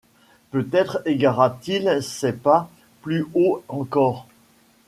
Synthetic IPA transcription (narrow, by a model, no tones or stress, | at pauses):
pøt̪ɛt̪χeɡaʁat̪ilsɛpa | plyoɑ̃kɔːʁ